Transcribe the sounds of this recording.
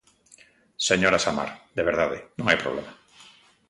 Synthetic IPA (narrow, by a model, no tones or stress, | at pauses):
seɲoɾasama̰ɾd̪eβ̞eɾðaðḛnũŋajpɾo̰βlema